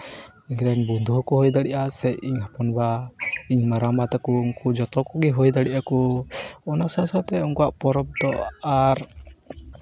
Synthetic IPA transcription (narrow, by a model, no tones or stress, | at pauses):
iɲɾɛnbund̪ʱuɦkɔɦɔjd̪aɽiʔasɛjiɲhapɔnbaiɲmaɾamat̪ɛkɔːŋkud͡ʒɔt̪ɔkɔɡiɦɔjd̪aɽiʔakɔɔnasasat̪ɛuŋkɔaʔpɔɾɔp̚d̪ɔaɾ